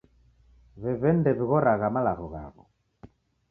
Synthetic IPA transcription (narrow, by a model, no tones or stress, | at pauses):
βɛβɛndɛβiɣɔɾaɣamalaɣɔɣa̰ɣɔ̰